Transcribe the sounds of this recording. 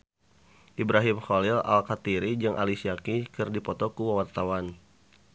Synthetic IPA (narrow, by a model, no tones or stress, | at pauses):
ʔibɾaɦimxɔlɪla̰lkat̪iɾid͡ʒɨŋʔa̰lisiakikɨrdipɔt̪ɔkuwawart̪awan